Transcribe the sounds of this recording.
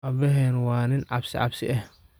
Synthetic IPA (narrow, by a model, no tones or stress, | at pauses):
ɐbɛɦɛːnwaːnɪnʕɑbsɪ̰ʕɑ̰bsɪʔɐh